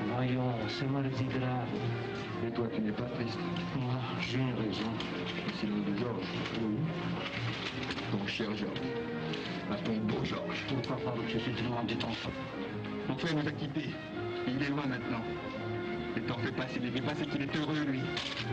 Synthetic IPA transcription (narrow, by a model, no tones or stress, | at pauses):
vajɔ̃ | sɛmwaləd̪iɡʁav | mɛt̪wat̪ynɛpat̪χist̪ | a | ʒyʁezɔ̃ | isilɔ̃d̪əʒɔʁʒ | wi | t̪ɔ̃ʃɛʁʒɔʁʒ | pak̪ɔ̃b̪õʒɔʁʒuvpapad̪ɔ̃kʃəsid̪ənɑ̃d̪it̪ɑ̃fɑ̥̃ | ɔ̃fɛnũzakʲit̪e | eilɛlwɛ̃mɛ̃t̪nɑ̃ | let̪ɑ̃fɛpaselevɛpasekilɛt̪øʁølɥi